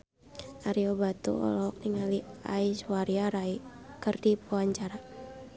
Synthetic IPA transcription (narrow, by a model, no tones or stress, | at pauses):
ʔaɾiɔbat̪ṵɔ̰lɔk̚niŋaliaiswaɾiaɾaikɨrdipuaɲt͡ʃaɾa